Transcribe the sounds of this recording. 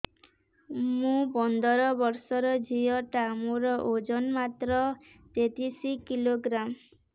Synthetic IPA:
mũpɔnd̪ɔɾɔbɔɾsɔɾɔd͡ʒijɔʈamuɾɔʔod͡ʒɔnmat̪ɾɔ | t̪et̪isikiloɡɾam

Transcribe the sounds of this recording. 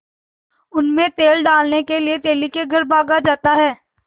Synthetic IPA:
ʊnmẽt̪eːlɖaːlnekeliet̪eːlikeɡʱɐɾbʱaːɡad͡ʒaːt̪aɦɛː

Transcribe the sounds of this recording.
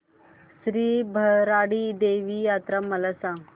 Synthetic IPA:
sɾiːbʱəɾaɽid̪eʋijat̪ɾaməlasãŋ

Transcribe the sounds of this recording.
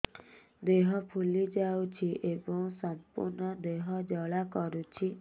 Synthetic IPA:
d̪eɦɔpʰulid͡ʒawt͡ʃʰiʔebɔŋsɔmpṵɾnɔd̪eɦɔd͡ʒɔɭakɔɾut͡ʃʰi

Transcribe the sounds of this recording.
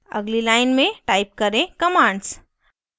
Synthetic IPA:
ə̰ɡlilaɪnmẽʈaɪp̚kəɾẽkəmãːɳɖs

